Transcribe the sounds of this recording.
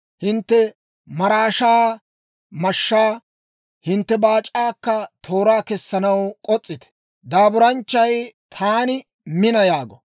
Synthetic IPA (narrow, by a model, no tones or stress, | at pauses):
hɪnt̪ːɛ | mɐɾaːʃaː | mɐʃːaː | hɪnt̪ːɛbaːt͡ʃʼːaːkːɐt̪ʰo̞ːɾaːkɛsːɐnɐwkʼɔt͡sʼːɪt̪ɛ̥ | d̪aːbʊɾɐnt͡ʃːɐjt̪ʰaːnɪ | mɪnɐjaːɡɔ